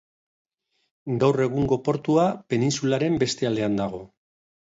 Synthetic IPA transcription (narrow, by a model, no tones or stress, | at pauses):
ɡawre̞ɣ̞uŋɡo̞po̞ɾt̪uape̞ninsulaɾe̞mbe̞st̪e̞ald̪e̞and̪aɣ̞o̞